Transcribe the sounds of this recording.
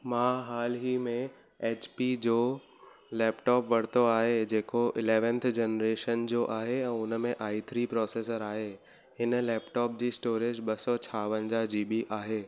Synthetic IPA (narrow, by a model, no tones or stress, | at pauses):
mãːɦaːlɦimẽ | eːt͡ɕpid͡ʑoː | lɛːpʈɔːpʋɐɽ̤t̪oaːɦed͡ʑeːkoʔɪleːʋə̃nt̪ʰd͡ʑenɾeːʃənd͡ʑoːʔaːɦeɛ̃ːʊnəmẽʔaːit̪ʰɾipɾɔːseːsəɾaːɦe | ɦɪnlɛːpʈɔːp̚d͡ʑiːsʈoːɾed͡ʑɓɐsɔt͡ɕʰaːʋənd͡ʑad͡ʑiːɓiʔaːɦeː